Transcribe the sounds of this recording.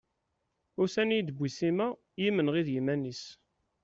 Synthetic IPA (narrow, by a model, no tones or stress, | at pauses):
ʊɾsænijd̪əbʷisimæ | jimənʁiðjimænis